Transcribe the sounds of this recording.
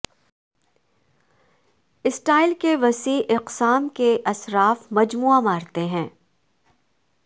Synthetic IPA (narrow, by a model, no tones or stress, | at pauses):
ɪsʈaːɪlkeʋɐsiːʔɪqsaːmkeʔɐsɾaːfmɐd͡ʒmuːamaːɾt̪eɦɛ̃ː